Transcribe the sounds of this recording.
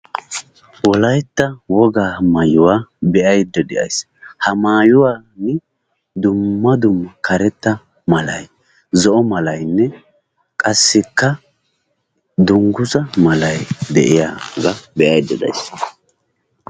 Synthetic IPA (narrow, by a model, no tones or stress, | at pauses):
wɔlɐjt̪ːɐwɔɡaːmajʊwaːbɛʔɐjd̪ːɛd̪ɛʔɐ̰js | hɐmaːjʊwaːnɪ | d̪ʊmːɐd̪ʊmːɐkʰɐɾɛt̪ːɐ | mɐlɐ̰j | zɔʔɔmɐlɐjnːɛ | kʼɐsːɪkːɐ | d̪ʊŋɡʊzɐmɐlɐjd̪ɛ̰ʔɪja̰ːɡɐbɛʔɐjd̪ːɛd̪ɐ̰js